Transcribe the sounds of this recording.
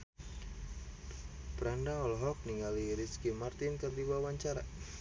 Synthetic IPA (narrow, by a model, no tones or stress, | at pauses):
bəɾandaɔlɦɔk̚niŋaliɾiskimart̪ɪnkərd̪ibawaɲt͡ʃaɾa